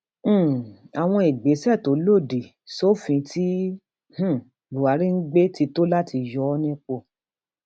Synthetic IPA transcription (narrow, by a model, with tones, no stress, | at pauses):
a˨w̃ɔ̃˧i˨ɡ͡be˨˦sɛ˦˨to˨˦lo˦˨di˨ | so˦˨fĩ˧tʰi˦ | h̩˦˨ | u˨wa˨˦ɾi˦ŋ̩˦ɡ͡be˦ti˧to˦la˦ti˧jɔ˨˦ɔ˦nĩ˦k͡po˧˨